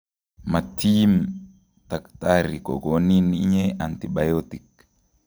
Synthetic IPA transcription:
mat̪ʰim | t̪akt̪aɾikɔ̰koniniɲɛʔant̪iɓajot̪ik

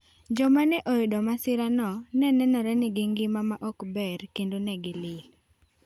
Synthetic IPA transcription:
d͡ʒɔmanɛʔojidɔmasɪɾanɔnɛnɛnɔɾɛnɪɡɪŋɡɪmamaʔɔkbɛrkendonɛɡɪlɪl

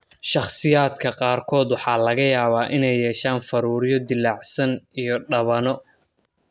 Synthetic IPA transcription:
ʃɑχsɪjaːd̪kʰɐqɑːrkʰɔːd̪wɑħɑːlɐɣɐjaːβaːʔɪnɛjːɛːʃaːnfɐɾuːɾjɔd̪ɪlːɑʕsɐnijɔɖɐβɐnɔ

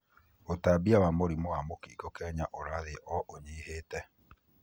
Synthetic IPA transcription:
otabiawamoɾimɔwamokiɡɔkɛɲaʔoɾaðeʔɔʔoɲiheːtɛ

